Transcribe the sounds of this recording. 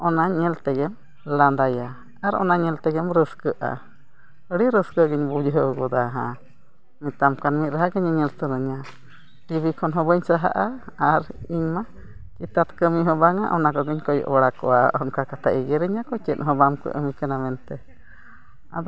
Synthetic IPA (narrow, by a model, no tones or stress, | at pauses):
ɔnaɲɛlt̪ɛɡɛm | land̪aja | aɾɔ̰naɲɛlt̪ɛɡɛmɾəskəʔa̰ | əɽiɾəskəɡəɲbud͡ʒɦəwɡɔd̪aɦa̰ | mit̪amkanmit̪̚ɾaɦaɡəɲaɲɛlt̪əɾəɲa | t̪ibikʰɔnɦɔbəɲsaɦa̰ʔaaɾiɲma | kit̪at̪kəmiɦɔbaŋa̰ʔɔnakɔɡəɲkɔj̰ʔɔɽakɔʔaʔɔnkakat̪ʰaʔiɡɛɾəɲakɔt͡ʃɛt̪̚ɦɔbamkə̰ʔə̰mikanamɛnt̪ɛ | a̰d̪